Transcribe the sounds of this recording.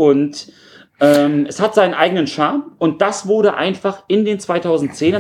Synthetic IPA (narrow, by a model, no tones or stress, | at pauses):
ʔʊnt | ʔɛːmʔɛshatz̥aɪnənʔaɪɡənənʃaɐmʊnt̚d̥asv̥ʊɐdəʔa̰ɪnfaχɪndeːnt͡sv̥aɪtʰaʊzn̩tt͡seːnə